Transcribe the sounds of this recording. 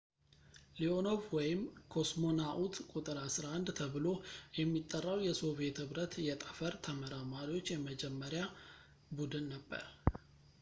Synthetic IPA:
liono̞vwɔjɪmkʰo̞smo̞naʔut̪kʼut̪ʼɨɾasɾaand̪t̪ʰəβɨlo̞jɛmːit̪ʼːərːawjɛso̞βe̞t̪hɨβɾət̪jɛt̪ʼəfəɾt̪ʰəməɾamaɾiwo̞t͡ʃːjɛməd͡ʒɛmːəɾja | bud̪ɨnːəbːə̰ɾ

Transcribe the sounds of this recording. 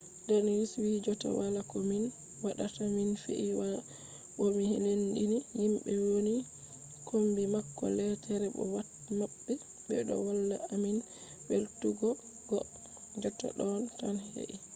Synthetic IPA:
dɛnjuswid͡ʒɔtɔ̰walakɔmin | waɗataminfḭʔiwa | ɓomihelendinihimɓɛwoni | kʰombimakːɔ̰lɛtʰɛɾɛbɔ̰wa | mabːɛ | bɛ̰ɗɔ̰wɔlːaamin | beltuɡɔ | ɡɔ | d͡ʒɔtɔ̰ɗɔntanhḛʔi

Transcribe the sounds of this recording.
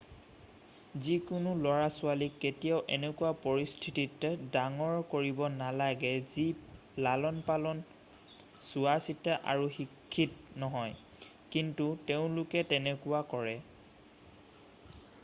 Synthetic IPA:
zikʊnʊlɔɹasʊalikːetijaʊʔɛnɛkuwapoɹistʰititːdaŋɔɹkoɹibɔnalaɡɛzi | lalɔnpalɔn | sʊasitaʔa̰ɹuxikʰːitnɔɦɔj | kintuteʊ̃lʊkɛtɛnɛkuwakɔɹɛ

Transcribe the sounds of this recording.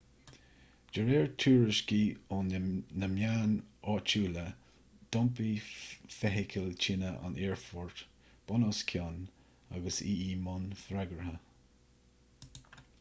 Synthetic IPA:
d͡ʒəɾɛːɹt̪ʰuːɹəʃkiʊnnəmjaːnɔːt͡ʃuːlə | d̪̥ɔmpifɛɦɪkʰəlt͡ʃɪnəʔa̰nɛːɹfɔɹt̪ | b̥ɔnɔskʲʰjɔn | a̰ɡəsiiːmʊnfɾaɡɾəhə

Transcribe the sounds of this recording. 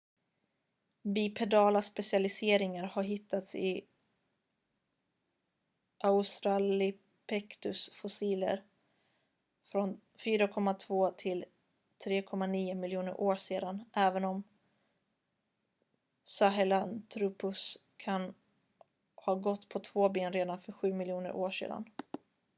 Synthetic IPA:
bipʰɛd̪ɑːlaspɛsɪalɪseːɾɪŋaɾhaɾɦɪt̪ʰːat̪sɪ | ʔaʊst̪ɾalɪ | pʰɛkt̪ɵsfʊsiːlə̰ɾ | fɾɔn | fyːɾakʰɔmːat̪ʰvoːt̪ʰɪl | t̪ʰɾeːkʰɔmːaniːʊmɪljuːnəɾʔoːʂeːd̪anʔɛːvənɔm | saɦɛlant̪ʰɾuːpɵs | kʰan | hɑːɡɔt̪ːpʰɔt̪ʰv̥oːbeːnɾeːd̪anfœɾɧʉ̟ːmɪljuːnə̰ɾʔo̰ːʂḛːd̪a̰n

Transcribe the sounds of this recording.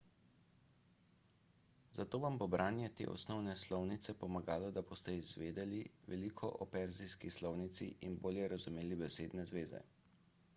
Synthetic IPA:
zat̪oːʋambobɾʔaːnjɛt̪ḛːʔɔ̰snɔwnɛslɔwnit̪sɛpɔmaɡaːlɔd̪abost̪ɛizʋeːd̪ɛliʋɛlikʰɔʔɔpɛɾzijskislɔwnit̪sḭʔinboːljɛɾazumeːlibɛseːd̪nɛzʋeːzɛ̰

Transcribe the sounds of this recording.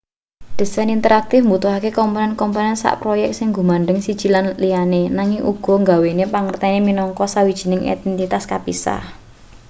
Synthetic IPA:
d̪̥e̤sanint̪əɾak̚t̪ɪfmbut̪uɦakekɔmpɔnɛnkɔmpanɛnsa̰ʔpɾojɛk̪̚sɪŋɡumaɳɖəŋsid̥ʒ̥i̤lanlianenaŋɪŋʔṵɡ̥ɔ̤ŋɡa̤wenepaŋərt̪ɛneminɔŋkɔsawid̥ʒ̥i̤nɪŋḛd̪ɛnt̪it̪askapisa̰h

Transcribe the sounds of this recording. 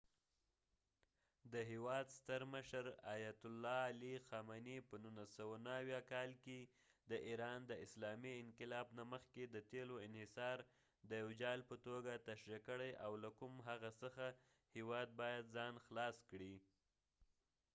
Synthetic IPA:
d̪əɦewɑd̪st̪əɾməʃəɾajat̪ʊlːɑːlixɑmanipənunasəwanaːwjɑkɑlke | d̪əʔiɾɑnd̪əɪslɑmiɪnqɪlɑbnaməxked̪ət̪eloɪnhɪsɑɾ | d̪əjawd͡ʒɑlpət̪oɡat̪aʃɾakəɽajʔawlakumɦaɣasəxa | hewɑd̪̚bɑjad̪zɑnxlɑskɽi

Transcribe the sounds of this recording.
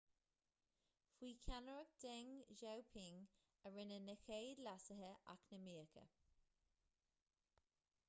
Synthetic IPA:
fwiːkʰanəɹək̚d̪̥ɪŋʒowpʰɪŋ | əɹɪnənəxeːd̪lasəɦəʔa̰knəmiːkʰə̰

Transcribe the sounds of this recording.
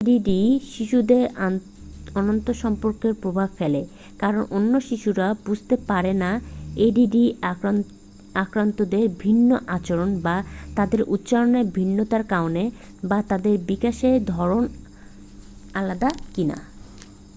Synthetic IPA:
eɖiɖiʃiʃud̪eɾ | ɔnont̪oʃɔmpoɾkeɾpɾobʱabfele | kaɾonʔonːoʃiʃuɾabud͡ʑʱt̪epaɾenaeɖiɖi | akɾant̪od̪eɾbʱinːoʔat͡ɕoɾonbat̪ad̪eɾʔut̪ːɕaloneɾbʱinːot̪aɾkaone | bat̪ad̪eɾbikaʃed̪ʱɔɾon | alad̪akina̰

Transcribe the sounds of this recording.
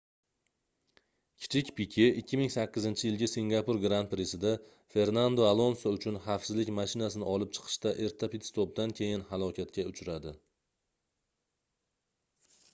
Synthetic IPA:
kʲʰɪ̥t͡ʃʰɪkʲpʰɪkʲʰeʔɪkʲʰːɪmɪŋsakʲːɪzɪnt͡ʃʰɪjɪlˠɡʲɪsiŋɡapʊɾɡɾant̪pɾesɪd̪a | fe̞ɾnand̪oalˠo̞nsoʊt͡ʃʰʊnafsɪzlɪkʲmaʃɪnasɪnɪɒlˠɪp̚t͡ʃʰɨ̥qʰɨ̥ʃt̪aʔe̞ɾt̪ʰapit̪st̪op̚d̪ankʲʰe̞jɪnɦalˠɒkʲʰat̪̚kʲaʊt͡ʃʰɾad̪ɪ

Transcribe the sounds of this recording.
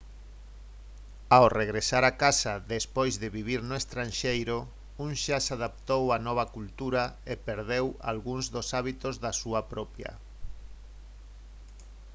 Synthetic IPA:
awreɣɾesaɾakasaðespojzðeβiβiɾnoest̪ɾanʃejɾo | uŋʃasaðap̚t̪owanɔβ̞ɐkult̪uɾaepeɾðewa̰lɣuŋzðosaβit̪ozðasuapɾɔpjɐ̰

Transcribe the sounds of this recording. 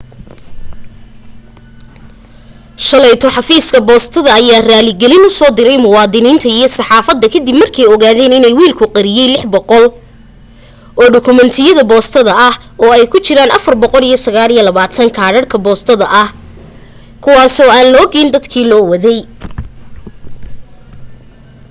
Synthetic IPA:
ʃɐlɛjt̪ʰɔħɑfiːskʰɐbɔːst̪ʰɐðɐɐjaːraːlɪɡɛlɪnʊsɔːd̪ɪɾɛjmʊwɑːd̪ɪniːnt̪ʰɐijɞsɑħɑːfɐd̪ːɐkʰɐd̪ibmɐrkʰɛjɔɣaːðɛːnɪnɛjwiːlkʰʊqɑɾɪjɛjlɪħbɔqɔl | ʔɔːɖʊkʰʊmɛnt̪ʰɪjɐðɐbɔːst̪ʰɐðɐʔɐh | ɔːɛjkʰʊt͡ʃɪɾaːnʔɐfɐrbɔqɔlijɞsɐɣaːlijɐlɐβaːt̪ʰɐŋkʰaːɽɐrkʰɐbɔːst̪ʰɐðɐʔɐh | kʰʊwɑːsɔːaːnlɔːɡɛːnd̪ɐd̪kʰiːlɔːwɐðɛj

